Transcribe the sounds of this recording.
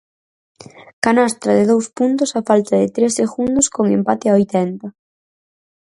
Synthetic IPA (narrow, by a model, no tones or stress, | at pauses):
kanast̪ɾɐðɪðowspunt̪ʊsafalt̪ɐðɪt̪ɾeseɣund̪ʊskoŋempat̪ɪaojt̪ɛnt̪ɐ